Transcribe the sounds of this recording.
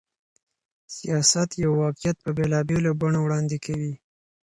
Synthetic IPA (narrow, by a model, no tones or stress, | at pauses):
sijɑsat̪jawːɑqɪjat̪̚pəbelɑbelobaɳowɽɑnd̪ekʰawi